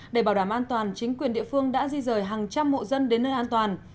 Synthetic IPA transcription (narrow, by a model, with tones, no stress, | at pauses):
ɗe˧˩ɓaː˧˩wɗaː˧˩mʔaː˧nt̪waː˨˩nt͡ɕï˨˦ŋ̟kwi˨˩ənɗḭ˧˨əfɨ˧əŋɗa̰ː˧˥zi˧zəː˨˩jɦaː˨˩ŋt͡ɕa˧mːo̰˧˨zə˧nɗe˨˦nːəː˧jʔaː˧nt̪waː˨˩n